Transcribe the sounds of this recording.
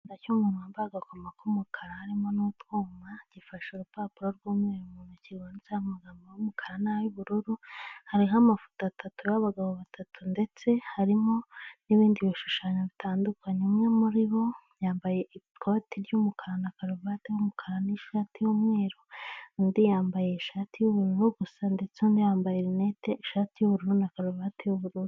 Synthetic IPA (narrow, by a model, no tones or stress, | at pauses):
acuːmɡunwaːmbaaɡakomakumukʰaɾahaɾimo̞nuːtɡuːmaɟ̥ifaʃuɾupaːpuɾoɾɡuːmŋeːɾumuːnuciɾwanizahamaɡamajumukʰaɾanajuβuɾuɾuhaɾiɦamafu̥taatatujaβaɡaβo̞βatʰatʰunde̞t͡se̞haɾimo̞niβiːndiβiʃuʃaːɲoβitʰaːndukʰaɲemŋemuɾiβo̞jaːmbaje̞ʔi | kʰotiɾjumukʰaɾanakaɾuβatehumukʰaɾaniʃaːtijumŋeːɾondijaːmbaje̞iʃaːtijuβuɾuɾuɡusande̞t͡seundijaːmbajeɾineteʔiʃaːtijuβuɾuɾunakaɾuβatejuβuɾuɾu